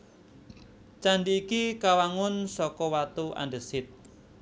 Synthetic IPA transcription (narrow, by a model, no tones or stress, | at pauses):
t͡ʃaɳɖiːkikawaŋʊnsɔkɔwat̪ua̰ɳɖəsɪt̪̚